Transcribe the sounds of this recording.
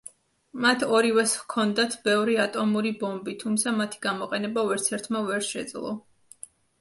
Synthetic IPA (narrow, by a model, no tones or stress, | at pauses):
mat̪ʰɔɾivɛskʰɔnd̪at̪ʰbɛvɾiat̪ʼɔmuɾibɔmbit̪ʰumt̪sʰamat̪ʰi̥ɡamɔqʼɛnɛbavɛɾt̪sʰɛɾt̪ʰmavɛɾʃɛ̰d̪zlˠɔ̰